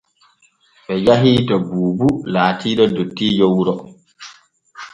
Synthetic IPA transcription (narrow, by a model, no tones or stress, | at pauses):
ɓɛjaɦiːtɔbuːbulaːtʰiːɗɔdotːiːjowɾɔ